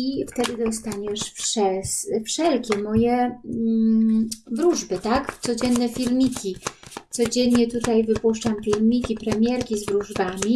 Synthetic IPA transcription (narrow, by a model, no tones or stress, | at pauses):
ift̪ɛd̪ɘd̪ɔst̪aɲɛʂfʂɛsfʂɛlkʲɛmɔjɛ | vɾuʐbɘt̪akt̪sɔd͡ʑɛnːɛfʲilmʲikʲit̪sɔd͡ʑɛnɲɛt̪ut̪ajvɘpuʂt͡ʂamfʲilmʲikʲipɾɛmʲjɛɾkʲizvɾuʐbamʲi